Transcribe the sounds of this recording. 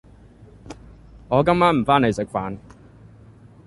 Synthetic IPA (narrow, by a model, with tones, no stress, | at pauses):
ŋɔː˨˧kɐ˥mːaː˥nm̩˨˩faː˥ne˨˧sɪ˨˥k̚faː˨˧n